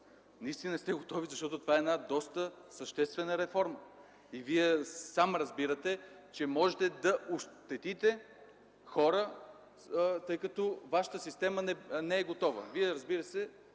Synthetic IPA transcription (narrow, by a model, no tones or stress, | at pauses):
nɐist̪inəst̪ɛɡot̪ɔvizɐʃt̪ɔt̪ot̪ovaɛːnad̪ɔst̪əsəʃt̪ɛst̪vɛnəɾɛfɔɾmə | iviɛsamɾɐzbiɾət̪ɛ | t͡ʃɛmɔʒɛt̪ɛd̪ɐʔoʃt̪ɛt̪it̪ɛ | xɔɾə | t̪ɤjkɐt̪ɔvaʃə̥t̪əsist̪ɛmənɛnɛɛɡot̪ɔvə̰viɛɾɐzbiɾəsɛ